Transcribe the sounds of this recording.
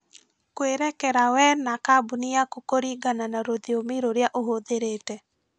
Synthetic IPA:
kweɾɛkɛɾawɛnakabuniakokoɾiɡananaɾoðiomiɾoɾjaʔoɦoðeɾeːtɛ

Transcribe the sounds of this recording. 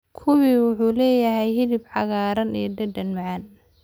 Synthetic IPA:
kʰʊwiwʊħuːlɛːjɐɦɛjɦɪðɪbħɑɣaːɾɐnijd̪ɐd̪ɐnmʕɑn

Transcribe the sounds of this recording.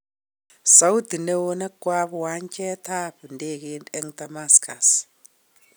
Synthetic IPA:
saud̪inɛwɔnakwaβɔwaɲkʼɛt̪ʰaɸindek̬iɛŋd̪amaskʰas

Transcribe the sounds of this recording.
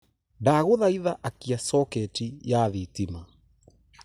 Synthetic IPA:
daːɣuðaiðaʔakiasɔkɛtijaðitima

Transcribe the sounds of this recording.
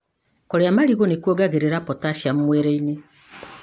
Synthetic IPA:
kɔɾjamaɾiɣonekwɔɡaɣeɾeɾapɔtaʃjam̩mweɾeiɲe

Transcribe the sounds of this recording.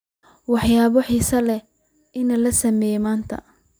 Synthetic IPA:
wɑħjaːβɔħiːsɐlɛ | ɪnɐlɐsɐmɛːjmaːnt̪ʰɐ̰

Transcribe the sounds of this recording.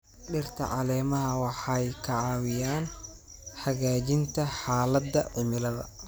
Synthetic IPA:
ɖɪrt̪ʰɐ̰ʕɑ̰lɛːmɐɦɐwɑħɑjkʰɐʕɑːwɪjaːn | ħɐɣaːt͡ʃɪnt̪ʰɐħaːlɐd̪ːɐʕʊmɪlɐðɐ̰

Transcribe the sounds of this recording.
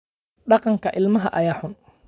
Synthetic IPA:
ɗakaŋkaʔɪlmaɦa̰ʔajahʊn

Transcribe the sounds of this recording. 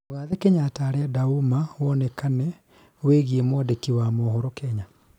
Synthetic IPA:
oɣaðɛkeɲataːɾɛdaumawɔnɛkanɛ | weɣiemɔdekiwamɔhɔɾɔkɛɲa

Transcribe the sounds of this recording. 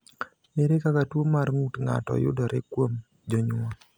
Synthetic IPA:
meɾekakatwomarŋutŋa̰tɔ̰jʊ̰dɔɾekwom | d͡ʒoɲʊa

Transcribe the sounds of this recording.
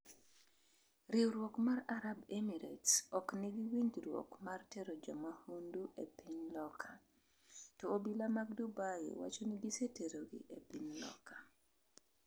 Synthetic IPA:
ɾɪwɾwokmaraɾabemiɾetsɔkniɡɪwiɲdɾwɔ̰kmarteɾod͡ʒɔmahunduʔepiɲlɔkʰa | tɔobilamaɡ̚dubaj̰wa̰t͡ʃonɪɡiseteɾoɡḭʔepiɲlɔ̰kḁ

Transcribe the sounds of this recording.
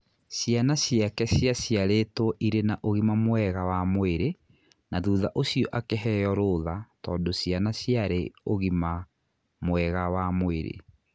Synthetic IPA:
sianasjakɛsjasjaɾetɔʔiɾenaʔoɣimamwɛɣawamoeɾe | naðuːðaʔosiɔʔakeɦɛjɔɾoːðatɔːndosjanasjaɾeoɣima | mwɛɣawamoeɾḛ

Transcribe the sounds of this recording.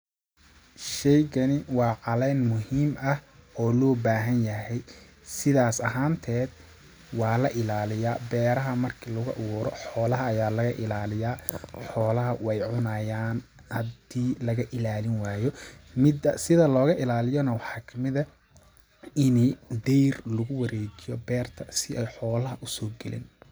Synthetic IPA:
ʃɛjɣɐnɪwɑːʕɑlɛːnmʊɦiːmɐhɔːlɔːbaːɦɐnjɐɦɛj | sɪðaːsɐɦaːnt̪ʰɛːd̪̚ | wɑːlɐʔɪlaːlɪjaːbɛːɾɐɦɐmɐrkʰiːlʊɣʊʔʊɣuːɾɔħɔːlɐɦɐːjaːlɐɣɐʔɪlaːlɪjaːħɔːlɐɦɐwɛjʕʊnɐjaːn | hɐd̪iːlɐɣɐʔɪlaːlɪnwaːjɔmɪd̪ɐsɪðɐlɔːɣɐʔɪlaːlɪjɔnɐwɑħɑːkʰɐmɪðɐ | ɪnid̪ɛjrlʊɣʊwɐɾɛːt͡ʃɪjɔbɛːrt̪ʰɐsɪʔɛjħɔːlɐɦɐʔʊsɔːɡɛlɪ̰n

